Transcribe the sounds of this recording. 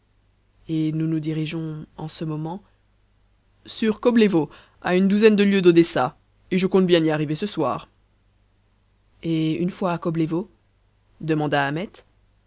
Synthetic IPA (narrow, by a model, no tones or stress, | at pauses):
enunud̪iʁiʒɔ̃ɑ̃səmɔmɑ̃ | syʁkɔblevo | a̰ynd̪uzɛnd̪əljød̪od̪esa | eʒəkɔ̃t̪bjɛ̃niaʁivesəswa̰ːʁ | eynfwaːkɔblevo | d̪əmɑ̃d̪aːmɛt̪